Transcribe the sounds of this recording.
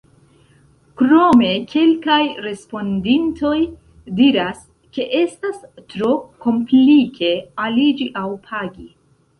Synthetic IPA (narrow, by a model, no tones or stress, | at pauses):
kɾo̞me̞kʰe̞lkajɾe̞spo̞ndintʰo̞j | diɾas | ke̞ʔe̞stastɾo̞ko̞mplikʰe̞alid͡ʒiʔawpʰaɡi